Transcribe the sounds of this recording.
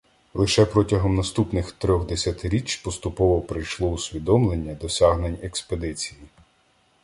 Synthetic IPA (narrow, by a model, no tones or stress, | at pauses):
lˠɪʃɛpɾɔtʲɐɦɔmnɐst̪upnɪxt̪ɾʲɔɣd̪esʲɐt̪ɪɾʲit͡ʃʲpɔst̪ʊpɔʋɔpɾɪjʃlˠɔusʲʋʲid̪ɔmlˠenʲːɐd̪ɔsʲaɦnenʲeksped̪ɪt͡sʲiji